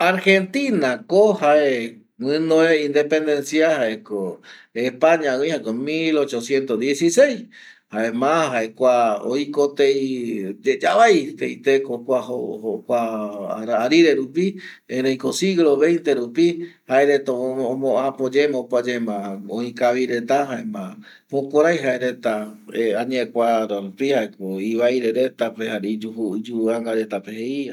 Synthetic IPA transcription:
aɾxent̪inãkohae | wɨ̃noeĩnd̪epend̪ensjahaekoehpaɲãũĩhakomilot͡ʃosjent̪od̪jesisejs | haemãɦaekʷao̰ikot̪ejd͡ʒed͡ʒaβajt̪ejt̪ekokʷaohokʷaɾaːɾiɾe̞ɾupi | eɾejkosiɣloβẽ̞jnt̪eɾupihaeɾet̪oomõapod͡ʒemãopad͡ʒemãoikaβiɾe̞t̪aɦaemã | mokʷaɾajɦaeɾe̞t̪aeaɲekʷaɾoɾupihaekoiβajɾeɾet̪apehaɾid͡ʒuɦud͡ʒuaŋɡaɾe̞t̪apeheia

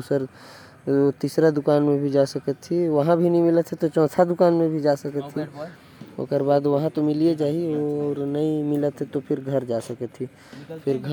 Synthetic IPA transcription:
d̪usəɾ | ot̪isɾad̪ʊkaːnmẽbʱid͡ʒasəkət̪ʰːiʋəɦãbʱinəimɪlət̪ɦɛt̪ot͡ʃɔ̃ːt̪ʰad̪ʊkaːnmẽbʱid͡ʒasəkət̪ʰɦi | o̰kəɾbaːd̪ʋəɦãt̪omɪlied͡ʒaːɦioːɾnəĩmɪlət̪ɦɛt̪opʰɪɾɡʱəɾd͡ʒasəkət̪ʰːi | pʰɪɾɡʱə

